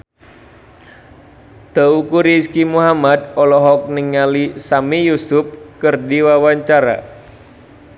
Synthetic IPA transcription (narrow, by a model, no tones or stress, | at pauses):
d̪̥a̤ukuɾiskimuɦamad̪̚ɔlɔɦɔk̚niŋːalisamijusʊp̚kɨrdiwawaɲt͡ʃaɾa̰